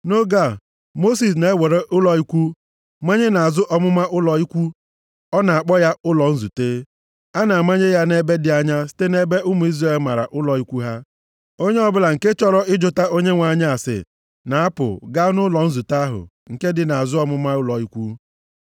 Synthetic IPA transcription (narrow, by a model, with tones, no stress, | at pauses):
no˦ɡa˦˨ | mo˦s̬i˨s̬ne˦we˨ɾe˦ʔʊ˦lɔ˨i˦kʷu˦ | ma˦ɲe˦na˨a˨zʊ˦ʔɔ˦mʊ˦ma˦ʔʊ˦lɔ˨i˦kʷu˦ | ɔ˦na˨a˨k͡pɔ˦ja˦ʊ˦lɔ˨n̩˦zu˨te˦ | a˦na˨a˨ma˦ɲe˦ja˦ne˦be˦dɪ˨a˨ɲa˦si̥˦te˦ne˦be˦ʊ˦mu˨i˦zɾe˦˨lma˨ɾa̰˨ʔʊ˦lɔ˨i˦kʷu˦ɦa˦ | o˦ɲe˦ɔ˦bʊ˦la˨ŋ̩˨ke˦t͡ʃɔ˦ɾɔ˦ɪ˦d͡ʒʊ˨ta˦o˦ɲe˦ŋʷa˨ɲa˦a˨sɪ̰˨ | na˨a˦pʊ̰˨ɡa˦nʊ˦lɔ˨n̩˦zu˨ta˦ɦʊ̰˨ | ŋ̩˨ke˦dɪ˨na˨a˨zʊ˦ɔ˦mʊ˦ma˦ʊ˦lɔ˨i˦kʷu˦